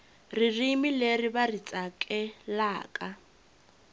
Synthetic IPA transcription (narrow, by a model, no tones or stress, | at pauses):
ririmileribarit͡sʼakʼɛlaːkʼa